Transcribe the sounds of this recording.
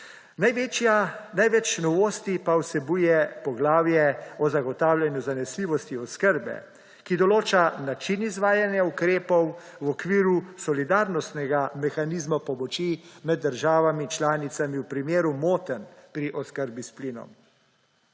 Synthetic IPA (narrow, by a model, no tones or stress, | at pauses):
naanajʋɛt͡ʃnɔʋoːst̪ipawsɛbujɛpɔɡlaːwjɛɔzaɡɔt̪aːwlʲanjuzanɛsliːʋɔst̪iɔskəɾbɛ̰ | kid̪ɔloːt͡ʃanat͡ʃinizʋaːjanjaukɾeːpɔw | wɔkʋiːɾusɔlid̪aɾnɔst̪nɛɡamɛxaniːzmapɔmɔt͡ʃimɛd̪̚ːəɾʒaːʋamit͡ʃlaːnit̪samiwpɾimeːɾumoːt̪ənpɾiʔɔskəɾbispliːnɔ̰m